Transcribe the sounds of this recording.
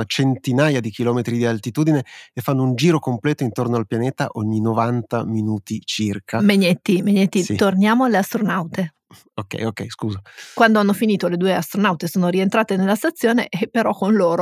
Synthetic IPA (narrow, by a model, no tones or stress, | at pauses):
at͡ʃent̪inaːjad̪ikilɔːmet̪ɾid̪ialt̪it̪uːd̪ineefːanːound͡ʒiːɾokomplɛːt̪oint̪ornoalpjaneːt̪a̰ʔoɲːinovant̪a̰minuːt̪it͡ʃirkʰameɲet̪ːimeɲːet̪ːit̪ornjaːmoalːeast̪ɾonawt̪e | okɛ̰jokɛ̰jskuːzakwand̪oanːofiniːt̪oled̪uːeast̪ɾonawt̪esoːnoɾient̪ɾaːt̪enelːast̪at̪sːjoːneʔepːeɾɔkːonloːɾo